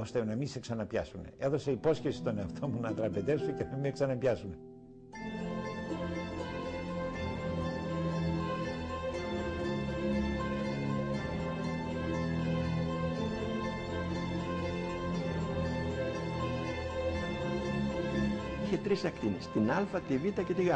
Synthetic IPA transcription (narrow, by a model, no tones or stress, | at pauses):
o̞st̪e̞nɐmiseksɐnɐpçɐ̰sume̞e̞ðo̞se̞ipo̞sçe̞si̥st̪o̞ne̞ɐft̪ʰo̞munɐt̪ɾɐpet̪e̞suecenɐmieksɐnɐpɐsume̞ | içet̪ɾisɐkt̪inist̪inɐlfɐt̪ivit̪ɐce̞t̪iɣɐ